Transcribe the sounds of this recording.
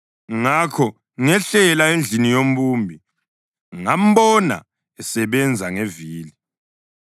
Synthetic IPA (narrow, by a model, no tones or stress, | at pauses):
ŋakʰɔ | ŋɛɬɛlaend͡ɮʱinijom̩ɓuːmbʱi | ŋam̩ɓɔna̰ | ɛsɛβɛnd͡zʱaŋeviːli